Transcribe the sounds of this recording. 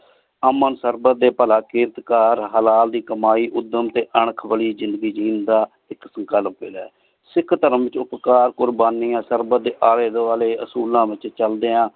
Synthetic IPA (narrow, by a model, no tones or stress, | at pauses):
əmənsəɾbəd̪eːpəlaːkɪɾt̪kaːɾɦəlaːld̪iːkəmaːiːʔʊd̪ːəmt̪eːʔəɳ̃əkʰbəliːzɪ̃nd̪əɡiːd͡ʒiːnd̪aː | ɪksəŋkəlpeːlɛː | sɪkʰt̪əɾəmʋɪt͡ʃʊpkaːɾkʊɾbaːniːãːsəɾbəd̪eːʔaːɾeːd̪oːaːleːəsuːlãːʋɪt͡ʃt͡ʃəld̪eːãː